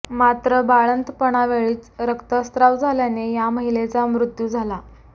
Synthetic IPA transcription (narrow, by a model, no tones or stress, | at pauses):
mat̪ɾəbaɭənt̪pəɳ̃aʋeɭiːt͡sɾəkt̪əst̪ɾaʋd͡zʱaljanejaməɦilet͡samɾut̪juːd͡zʱala